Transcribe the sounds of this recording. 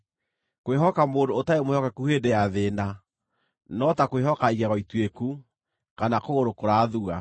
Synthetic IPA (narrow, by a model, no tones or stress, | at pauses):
koweɦɔkamoːndoːtaemohɔkɛkuheːdejaðeːna | nɔtakoweɦɔkaiɣɛɣɔitweku | kanakoɣoɾokoɾaðua